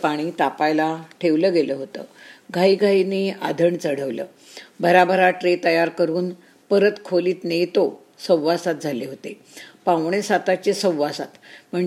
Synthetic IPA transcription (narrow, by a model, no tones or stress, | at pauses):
paɽ̃iːt̪apajlaʈʰeʋləːɡeləɦot̪ə̰ːɡʱaiɡʱainea̰d̪ʱəɳt͡səɽ̤əʋlə̰ː | bəɾabʱəɾaʈɾet̪əjaɾkəɾuːn | pəɾət̪kʰoliːt̪nejt̪o | sə̃wʋasat̪̚d͡zʱaleɦot̪e | pãwɳ̃esat̪at͡ɕesə̃wʋasat̪m̤əɳ